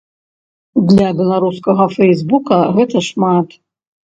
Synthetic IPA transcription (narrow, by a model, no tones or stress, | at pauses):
d̪lʲabʲɛlˠaɾuskɐɣɐfɛjzbukɐɣɛt̪ɐʂmat̪